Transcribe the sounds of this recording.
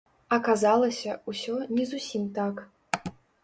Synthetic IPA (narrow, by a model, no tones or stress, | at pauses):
ɐkazalˠɐsʲɐusʲɔnʲɛzusʲimt̪ak